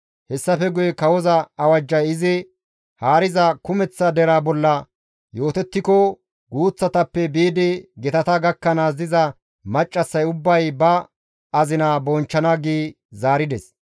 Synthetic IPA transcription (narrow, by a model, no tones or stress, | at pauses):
hɛsːɐfɛɡʊjɛkɐwɔzɐɐwɐd͡ʒːɐjɪzɪ | haːɾɪzɐkʊmɛt͡sːɐd̪ɛɾaːbɔlːɐ | jo̞ːt̪ɛt̪ːɪkɔ | ɡuːt͡sːɐt̪ɐpːɛbiːd̪ɪɡɛt̪ɐt̪ɐɡɐkːɐnaːzɪzɐ | mɐt͡ʃʼːɐsːɐjʊbːɐjbɐ | ɐzɪnaːbɔnt͡ʃːɐnɐɡiː | zaːɾɪd̪ɛs